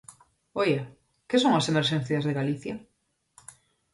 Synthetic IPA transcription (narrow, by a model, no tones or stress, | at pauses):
oja | kesoŋɐsemeɾʃẽn̟θjazðeɣaliθja